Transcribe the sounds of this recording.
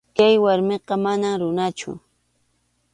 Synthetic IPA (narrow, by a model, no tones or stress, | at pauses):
kajwaɾmeqɑmanamɾʊnat͡ʃʊ̰